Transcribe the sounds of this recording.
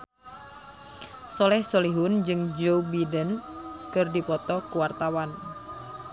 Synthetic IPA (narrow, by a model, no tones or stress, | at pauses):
sɔlɛhsoliɦʊnd͡ʒɨŋd͡ʒowbidənkɨrdipɔt̪ɔkuwart̪awan